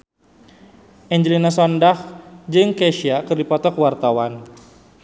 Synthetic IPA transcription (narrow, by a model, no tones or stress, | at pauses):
ʔɛɲd͡ʒəlinasɔndahd͡ʒɨŋkɛʃiakɨrdipɔt̪ɔkwart̪awan